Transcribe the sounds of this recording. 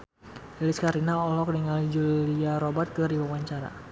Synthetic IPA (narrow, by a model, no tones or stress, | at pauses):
ɛliskaɾinaɔlɔk̚diŋalid͡ʒuliaɾɔbat̪̚kəɾiwawaɲt͡ʃaɾa̰